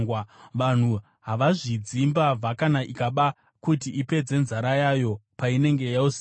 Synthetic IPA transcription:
waʋan̤u | ɦaʋaʐid͡zimbavʱakanaʔikaɓa | kutiʔipe̞d͡ze̞nzaɾajaːjo̞paine̞ŋɡe̞jausi

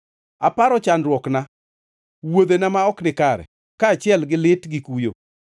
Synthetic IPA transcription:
apaɾɔt͡ʃanɾwɔkna | wod̪enamaɔknɪkaɾɛ̰ | kaːt͡ʃɪɛlɡɪlɪtɡɪkujo

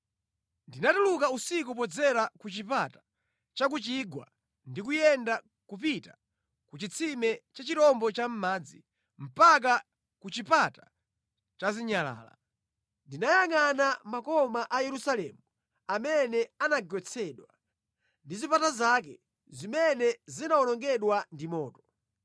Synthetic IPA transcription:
ndinatulukausik̬up̬ɔd͡zɛɾakut͡ʃipatḁ | t͡ʃak̬ut͡ʃiɡwa̰ | ndik̬ujɛnda | kup̬ita | kut͡ʃit͡sʰimɛt͡ʃat͡ʃitɔmbɔt͡ʃam̩maːd͡zi | m̩pak̬a | kut͡ʃipata | t͡ʃaziɲala̰ːla̰ | ndinajaŋanamakɔmaʔajɛɾusalɛmu | amɛnɛanaɡɔt͡sʰɛɗwa | ndizipatazak̬ɛ | zimɛnɛzinaɔnɔŋɡɛɗwandimɔːtɔ̥

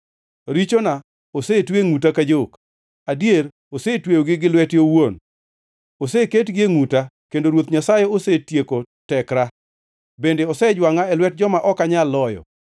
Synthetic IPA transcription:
ɾit͡ʃona | osetweŋutakad͡ʒok | adjeɾ | osetwejoɡɪɡɪlwɛtjowon | oseketɡɪeŋutakendoɾwot̪ɲasajeosetjeko | tɛkɾa | bendeɔsɛd͡ʒwaŋaɛlwɛt̚d͡ʒɔmaʔɔkaɲalɔjɔ̰

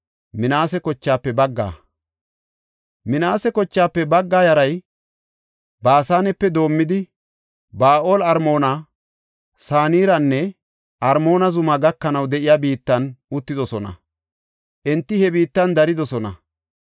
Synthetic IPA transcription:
mɪnaːsɛkɔt͡ʃːaːpːɛbɐɡːa̰ː | mɪnaːsɛkɔt͡ʃːaːpːɛbɐɡːaːjɐɾɐj | baːsaːnɛpːɛd̪o̞ːmːɪd̪ɪ | baːʔo̞ːlɐɾmo̞ːnɐ | saːniːɾɐnːɛ | ʔɐɾmo̞ːnɐzʊmɐɡɐkːɐnɐwd̪ɛʔɪjabiːt̪ːɐnʊt̪ːɪd̪ɔsɔnɐ̰ | ʔɛnt̪ːɪhɛbiːt̪ːɐnd̪ɐɾɪd̪ɔsɔnɐ̰

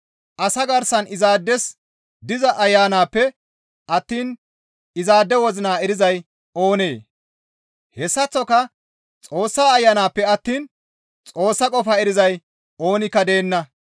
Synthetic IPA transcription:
ʔɐsɐɡɐɾsɐnɪzaːd̪ːɛs | d̪ɪzɐʔɐjːaːnaːpːɛ | ʔɐt̪ːiːn | ɪzaːd̪ːɛwɔzɪnaːɛɾɪzɐj | o̞ːne̞ː | hɛsːɐt͡sːɔkɐ | t͡sʼo̞ːsːaːɐjːaːnaːpːɛɐt̪ːiːn | t͡sʼo̞ːsːɐkʼɔfɐɛɾɪzɐj | o̞ːnɪkːɐd̪e̞ːnːɐ

